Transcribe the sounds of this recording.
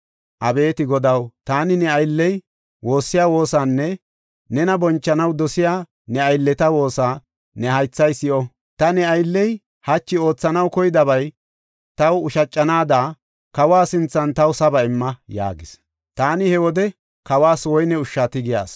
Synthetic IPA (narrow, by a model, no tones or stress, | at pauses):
ʔɐbe̞ːt̪ɪɡɔd̪ɐwt̪aːnɪnɛɐjlːɛj | wo̞ːsːɪjaːwo̞ːsanːɛ | nɛnɐbɔnt͡ʃːɐnɐwd̪ɔsɪjaː | nɛɐjlːɛt̪ɐwo̞ːsaː | nɛɦɐjt͡sːɐjsɪʔɔ | t̪ɐnɛɐjlːɛj | hɐt͡ʃːɪo̞ːt͡sːɐnɐwkɔjɪd̪ɐbɐj | t̪ɐwʊʃɐt͡ʃʼːɐnaːd̪aː | kɐwaːsɪnt͡sːɐnt̪ɐwʊsɐbɐɪmːɐja̰ːɡɪs | t̪aːnɪhɛwɔd̪ɛ | kɐwaːswɔjnɛʊʃːaːt̪ɪɡɪja̰ːs